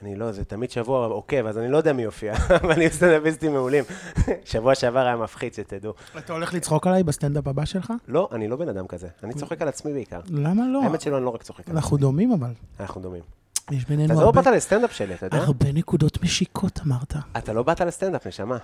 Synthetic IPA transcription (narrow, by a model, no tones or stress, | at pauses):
anilo̞zet̪amid̪ʃavuaokevazanilojod̪eamiofiavaniust̪and̪apizt̪imeulimʃavuaʃeavaʁajamafχid̪ʃet̪ed̪u | atao̞le̞χlit͡sχo̞kalajbast̪and̪apabaʃe̞lχalo̞ʔanilo̞benad̪amkazeanit͡so̞χekalat͡smibeika̰ʁlamalo̞met̪ʃeluanilo̞ʁakt͡soχekanaχnud̪o̞mimavalanaχnud̪o̞mim | jeʃbenenaualobat̪alest̪end̪apʃeliat̪ajoaaʁbe̞ne̞kudo̞tmeʃikʰo̞tamaʁt̪aat̪alo̞bat̪alest̪end̪apneʃama